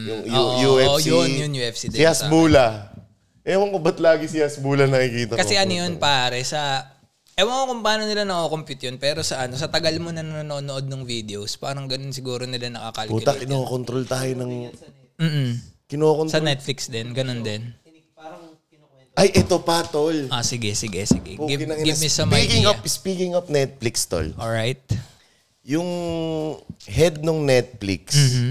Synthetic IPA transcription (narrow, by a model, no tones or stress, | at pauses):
jʊŋjʊʔjuɛjonjʊnjʊɛfsɪd̪ɪasbuːlɐ | ʔɛmɐŋkʊbɐt̪laːɡɪsɪjasbuːlɐnɐkikiːt̪ɐkɐsɛʔɐnojonpaːɾɛsɐ | ʔɛwɐŋokʊmpaːnonɪlanɐkoːkompjʊt̪jonpɛːɾo̞sɐʔɐno̞s̬ɐt̪ɐɡɐlmonɐnɐnoːnonoʔo̞d̪̚nʊŋvid̪ɛowspaːɾɐŋɡɐno̞ns̬ɪɡuːɾo̞nɪlanɐkɐkɐlbuːt̪ɐkɪnokont̪ɾolt̪aːjonɐŋ | m̩ːʔm̩kɪnokonsɐnɛt̪̚flɪksd̪ɛnɡɐno̞nd̪ɛn | ʔɐjʔɛt̪opat̪olʔasɪɡɛsɪɡɛsɪ̰ɡɛ̰puɡɪkɪɐŋɡɪbɪsɐmɐkɪŋɐpspikɪŋɐp̚nɛt̪̚flɪkst̪o̰lʔoɹajt̪̚ | jʊŋ | hɛd̪̚noŋnɛt̪̚flḭks